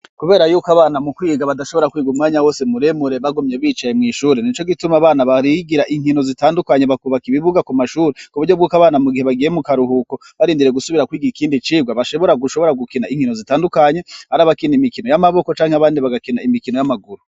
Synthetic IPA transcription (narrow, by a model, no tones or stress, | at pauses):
kuβe̞ːɾajuːkaβaːnamukwiːɡaβadaʃo̞βo̞ɾakwiːɡumŋaːɲawo̞ːsemuɾemuɾe̞βaɡumɲe̞βiːt͡ʃajemŋiːʃuːɾenit͡ʃo̞ɡitumaβaːnaβaɾiɡiɾaʔiŋ̥ino̞zitaːndukaɲe̞βakβakiβiβuɡakumaʃuːɾekuβuɾɟobɡuːkaβaːnamuɡiheβaɡije̞mukaɾuɦuko̞ | βaɾiːndiɾe̞ɡusuβiɾakwiːɡiikiːndit͡ʃiːɡwaβaʃo̞βo̞ɾaɡuʃo̞βo̞ɾaɡukinaiŋ̥hino̞zitaːndukaɲe̞haɾaβakinimikino̞jamaβo̞ko̞t͡ʃaːŋheaβaːndiβaɡakinaimikino̞jamaɡuɾu